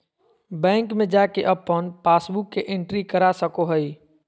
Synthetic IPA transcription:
bɛ̃ːŋkmẽd͡ʒaːkeʔəpːənpaːsbukːeʔɪ̃ɳʈɾikəɾasəkoɦəi

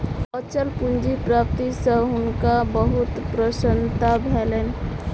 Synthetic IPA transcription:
ət͡ʃəlpund͡ʒipɾap̚t̪isə̃ɦʊnkabəɦʊt̪pɾəsənt̪abʱelen

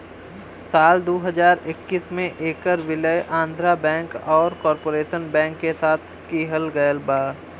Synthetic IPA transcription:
saːld̪oːɦəd͡ʒaːɾɪkːismẽʔeːkəɾʋɪləjʔãːnd̪ʱɾabɛ̃ːŋkɔːɾkɔːɾpoːɾeːʃənbɛ̃ːŋkːesaːt̪ʰ | kiːɦəlɡəjəlbaː

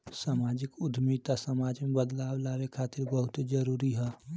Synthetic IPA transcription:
saːmaːd͡ʒɪkʊd̪ʱmiːt̪asəmaːd͡ʒmẽbəd̪laːwlaːwekʰaːt̪ɪɾbəɦʊt̪d͡ʒəɾuːɾiɦɛː

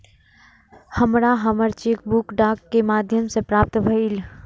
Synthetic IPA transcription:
həmɾaɦəməɾt͡ʃek̚bukɖaːkːemaːd̪ʱjəmsepɾaːp̚t̪bʱəil

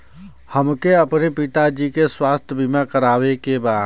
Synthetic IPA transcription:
həmkeəpnepit̪ad͡ʒikeswaːst̪ʰjbʱimakəɾaːʋekebaːd̪

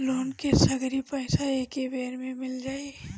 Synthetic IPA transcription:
loːnkesɐɡɾipəːsaeːkeʋeːɾmẽmɪld͡ʒaːe

